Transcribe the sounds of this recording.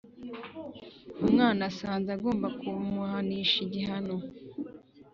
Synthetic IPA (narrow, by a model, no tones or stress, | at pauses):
umŋaːnasaːnzaɡo̞ːmbakumuhaniʃiɟiɦano